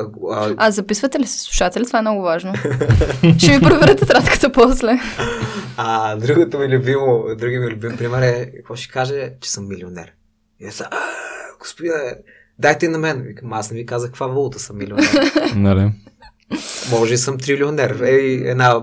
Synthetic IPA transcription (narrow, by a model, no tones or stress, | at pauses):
azɐpisvət̪ɛlisə̥slˠu̥ʃat̪ɛlʲɛt̪vaɛmnɔɡʊvaʒno | ʃɛvipɾovɛɾɛt̪ɛt̪ɾat̪kə̥t̪əpɔslɛ | ad̪ɾuɡot̪omilʲubimod̪ɾuɡimilʲubimpɾimɛɾɛkɐkvɔʃɛ̥kaʒɛt͡ʃɛ̥sɤmːilionɛ̰ɾ | iɛsaʔɡo̥spod̪iɛ | d̪ajt̪ɛinɐmɛnvikmasnɛvikazəxkːə̥kvavolˠot̪əsəmːilionɛnɐlɛ | mɔʒɛisɤmt̪ɾilʲionɛɾɛiɛ̰d̪na